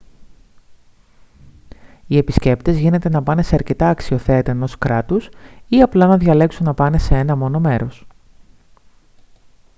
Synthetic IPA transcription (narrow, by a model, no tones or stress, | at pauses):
ie̞pisce̞pt̪e̞zʝine̞t̪e̞nɐpɐne̞se̞ɐɾce̞t̪ɐːksio̞θe̞t̪ɐeno̞skɾɐt̪usiɐplɐnɐðʝɐle̞ksunːɐpɐne̞se̞e̞nɐmo̞no̞me̞ɾo̞s